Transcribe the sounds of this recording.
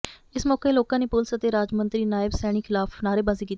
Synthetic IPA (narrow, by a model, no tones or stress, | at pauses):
ɪsmɔːkeːloːkãːneːpʊlsət̪eːɾaːd͡ʒmə̃nt̪ɾiːnaːɪbsɛːɽ̃iːkʰɪlaːpʰnaːɾeːbaːziːkit̪ː